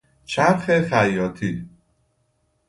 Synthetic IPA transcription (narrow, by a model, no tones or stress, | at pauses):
t͡ʃʰæɾxexæjːɒːt̪ʰi